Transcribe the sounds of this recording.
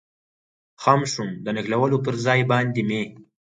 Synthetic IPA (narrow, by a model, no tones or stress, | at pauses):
xamʃumd̪ənɪxlawəlopəɾzɑjbɑnd̪eme